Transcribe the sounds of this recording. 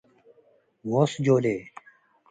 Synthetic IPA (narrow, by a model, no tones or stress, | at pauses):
woːsd͡ʑoːleː